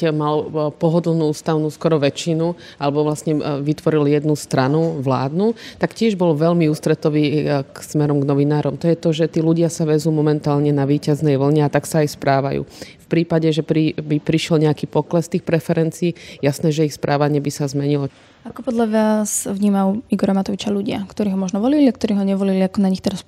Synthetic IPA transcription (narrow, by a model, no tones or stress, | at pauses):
malpɔɦɔd̪l̩ˠnuːuːst̪aʊnuːskɔɾɔʋɛt͡ʃinu | alɛbɔʋlasɲɛʋit̪ʋɔɾiljɛd̪nust̪ɾanuʋla̰ːd̪nut̪akcɪɛʒbɔlʋɛʎmiuːst̪ɾɛt̪ɔʋiːksmɛɾɔmɡnɔʋinaːɾɔmt̪ɔjɛt̪ɔʒɛt̪iːluɟɪasaʋɛzuːmɔmɛnt̪aːlɲɛnaʋiːcaznɛjʋl̩ɲɛat̪aksaːjspɾaːʋa̰jṵːfpɾiːpaɟɛʒɛpɾibipɾiʃɪɛlɲɛakiːpɔklɛst̪iːxpɾɛfɛɾɛnt͡siːjasnɛːʒɛixspɾʔaːʋaɲɪɛbisazmɛɲilɔ | akɔpɔd̪ʎaʋasʋɲiːmaʊiɡɔɾamat̪ɔʋit͡ʃaluɟɪa̰kt̪ɔɾiːɦɔmɔʒnɔʋɔliliak̚t̪ɔɾiːɦɔɲɛʋɔliliakɔnaɲixt̪ɛɾas